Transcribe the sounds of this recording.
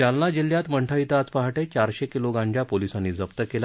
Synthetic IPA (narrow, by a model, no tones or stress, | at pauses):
alnad͡ʑil̤ːjat̪məɳʈʰəit̪at͡spaɦaʈet͡ɕaɾɕekiloɡãɳd͡ʑapolisanːiːd͡zəpt̪əkela